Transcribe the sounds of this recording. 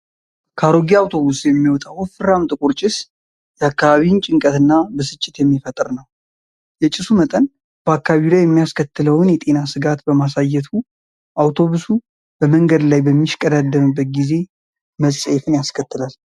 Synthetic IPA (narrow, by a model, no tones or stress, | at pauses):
kʰaɾoɡiawt̪ʰo̞βusjɛmːiwɔt̪ʼawfɨɾamt̪ʼɨkʷʼuɾt͡ʃʼɪs | jɛakːaβaβint͡ʃʼɪŋkʼət̪ɨnːabəsɨt͡ʃʼːɪt̪jɛmːifət̪ʼɨɾnəw | jɛt͡ʃʼɪsumət̪ʼən | b̥əakːaβilajːɛmːijaskʰət̪ːɨləwɨnjɛt̪ʼe̞nasɨɡat̪bəmasajːɛt̪ʰu | ʔawt̪ʰo̞βusu | b̥əməŋɡəd̪lajbəmːiʃkʼəd̪ad̪ːəmɨbːət̪̚ɡize̞ | məsʼɛfɨnjaskʰət̪ːɨlal